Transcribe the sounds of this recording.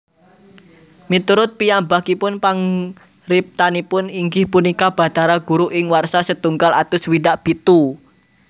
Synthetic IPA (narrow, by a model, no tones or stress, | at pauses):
mit̪uɾʊt̪̚pijambakipʊnpaŋ | rɪp̚t̪anipʊniŋɡɪhpunikab̥a̤t̪aɾaɡ̥uɾuʔɪŋwarsasət̪uŋɡalat̪ʊswiɖaʔb̥it̪u